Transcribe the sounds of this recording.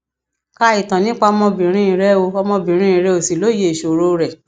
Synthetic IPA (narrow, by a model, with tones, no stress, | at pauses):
ka˧i˨tã˨nĩ˦k͡pa˦ɔ˧mɔ̃˧bĩ˨ɾ̃ĩ˦i˨˧˦ɾɛ˦o˧ɔ˧mɔ̃˧bĩ˨ɾ̃ĩ˦ĩ˨˦ɾɛ˧˦o˧˨si˨lo˨˦je˧i˨ʃo˨ɾo˧ɾɛ˨